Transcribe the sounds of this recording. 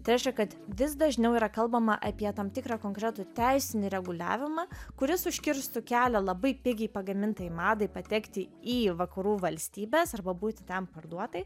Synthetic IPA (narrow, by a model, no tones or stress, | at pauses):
t̪ɐɪɾʲɛɪʃʲkʲɛkɐt̪ʋʲɪsd̪ɐʒʲnʲɛʊiɾɐkɐlˠbɐmɐʔɐpʲiɛt̪ɐmt̪ʲɪkɾɑːkoːŋkɾʲɛt̪ʊt̪ʲæɪsʲɪnʲɪɾʲɛɡʊlʲæ̰ːʋʲɪmɑːkʊɾʲɪsʊʃʲkʲɪɾst̪ʊkʲæːlʲɛlˠɐbɐɪpʲɪɡʲɛɪpɐɡɐmʲɪnt̪ɐjɪmɑːd̪ɐɪpɐt̪ʲɛkt̪ʲɪiːʋɐkɐɾuːʋɐlʲsʲt̪ʲiːbʲeːsɐrbɐbuːt̪ʲɪ̥t̪ʲɛmpɐrd̪uɔt̪ɐɪ